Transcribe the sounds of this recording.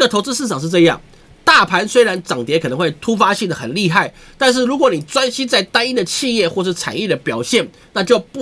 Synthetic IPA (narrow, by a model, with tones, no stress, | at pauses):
ɡə˩t̪ʰo˧˥ʊt͡sɹ̩˥ʂ̬ɻ̩˥˩ʈ͡ʂʰɑ˨˩ŋʂɻ̩˥˧ʈ͡ʂɤ˥˧jɑ̰˥˩ŋ | t̪a˥˩pʰa˧˥nswe˥ɪɻa˧˦nʈ͡ʂɑ˨˩ŋt̪jɛ˧˥kʰɤ˨˩ɤ˧˦ŋxwe˥˩ɪt̪ʰu˥fa˥ɕi˥˩ŋd̪ə˩xə˨˩nli˥˧xa˥˩ɪ | t̪a˥˧nʂ̬ɻ̩˥˩ɻu˧˥kwɔ˧˩˦ni˨˩t͡swa˥nɕi˥t͡sa˥˩ɪt̪a˥ni˥d̪ə˨t͡ɕʰi˥˧jɛ˥˧xwɔ˥˧ʂɻ̩˥˩t͡sʰa̰˨˩˦njɛ˥˩d̪ə˩pjɑ˨˩ʊɕjɛ˥˩n | na˥˧t͡ɕjo˥˧ʊp